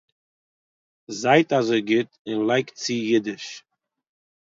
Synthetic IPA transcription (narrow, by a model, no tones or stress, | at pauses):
zaɪtazoɪɡɪtɪnlˠaɪkt͡sɪjɪdɪʃ